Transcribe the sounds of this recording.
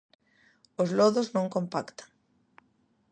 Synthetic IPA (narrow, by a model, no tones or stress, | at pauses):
ozlɔðoznõŋkõmpakt̪ḁŋ